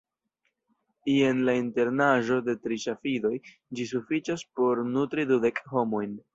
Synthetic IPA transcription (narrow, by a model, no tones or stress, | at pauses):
ie̞nlainte̞ɾnaʒo̞de̞tɾiʃafido̞j | d͡ʒisufit͡ʃaspo̞ɾnutɾidude̞kho̞mo̞jn